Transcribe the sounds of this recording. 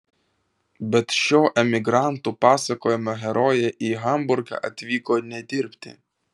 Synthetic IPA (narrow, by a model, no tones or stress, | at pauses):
bʲɛt̪ʃʲoːʔɛmʲɪɡɾɑˑnt̪uːpɑːsɐkoːjɛmɐɦʲɛɾɔːjɛʔiːɣɐmbʊɾɡɑ̰ːʔɐt̪ʲʋʲiːkoːnʲɛd̪ʲɪɾʲpʲt̪ʲɪ̰